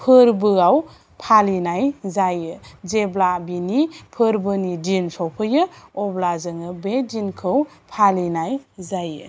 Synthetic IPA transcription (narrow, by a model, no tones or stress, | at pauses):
pʰɯɾbɯaw | pʰalinajzajɯzeblabinipʰɯɾbɯnidinsɔpʰɯjɯɔblazɯŋɯbedinkʰɯw | pʰalinajzajɯ̰